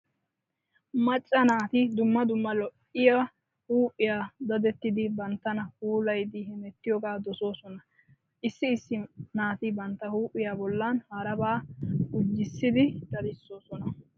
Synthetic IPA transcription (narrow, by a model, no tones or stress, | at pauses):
mɐt͡ʃʼːɐnaːt̪ɪd̪ʊmːɐd̪ʊmːɐlɔʔɪja | huːpʼːɪjaːd̪ɐd̪ɛt̪ːɪd̪ɪbɐnt̪ːɐnɐhuːlɐjd̪ihɪmɛt̪ːɪjɔɡaːd̪ɔso̞ːsɔnɐ | ʔɪsːɪːsːɪnaːt̪ɪbɐnt̪ːɐhuːʔɪjaːbɔlːanhɐɾɐbaːhʊd͡ʒːɪsːɪd̪ɪd̪ɐd̪ɪsːo̞ːsɔnɐ